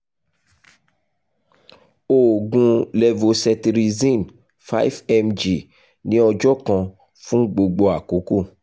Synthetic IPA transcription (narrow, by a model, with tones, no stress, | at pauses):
o˨ɡũ˧lɛ˧vo˧sɛ˧tɾi˧zĩ˦˨n | fa˦i˦fɛ˧md͡ʒi˨ | nĩ˨˦ɔ˧d͡ʒɔ˦kã˧ | fũ˦ɡ͡bo˧ɡ͡bo˧a˨ko˨˦ko˦˨